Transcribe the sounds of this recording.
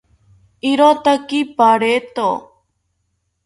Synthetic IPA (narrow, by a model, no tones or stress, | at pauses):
iɾot̪akipaɽet̪o